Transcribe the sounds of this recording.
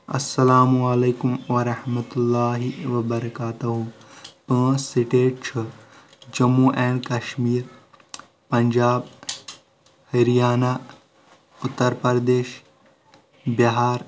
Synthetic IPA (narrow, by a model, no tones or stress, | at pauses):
ɐ̰sːɐlaːmuɐleːkumʋɐɾɐhmɐt̪ulːaːɦiʋɐbɐɾɐkaːt̪ɐɦupə̃ːsiʈeːʈ̚t͡ʃʰɐ | d͡ʒɐmːuʔɛːɳɖkɐʃmiːɾ | pɐɲd͡ʒaːb | hiɾijaːnaː | ʊt̪ːɐɾpɐɾd̪eːʃ | biɦaːɾ